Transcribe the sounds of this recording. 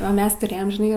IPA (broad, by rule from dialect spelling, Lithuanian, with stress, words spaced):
oː ˈmʲɛs tʊˈrʲeːjɛm ʒʲɪˈnɐɪ